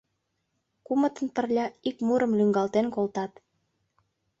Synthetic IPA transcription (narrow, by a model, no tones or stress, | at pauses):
kumət̪ənpərlʲɑikmuɾə̆mlyŋɡɑlt̪enkolt̪ɑt̪